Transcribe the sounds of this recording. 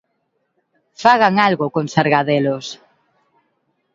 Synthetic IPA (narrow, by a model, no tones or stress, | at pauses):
faɣaŋalɣʊkoŋsaɾɣaðelʊs